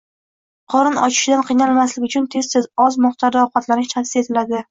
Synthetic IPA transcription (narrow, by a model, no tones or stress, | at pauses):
qʰɒɾɪnɒ̰t͡ʃʰɪ̥ʃɪd̪anqʰɨjnalmaslɪkʲʊt͡ʃʰʊnt̪ʰe̞z̥t̪ʰezɒzmɒχt̪ʰaɾd̪aɒwqɑt̪laɾɪt͡ʃʰasɪ̥e̞t̪ʰɪlad̪ɪ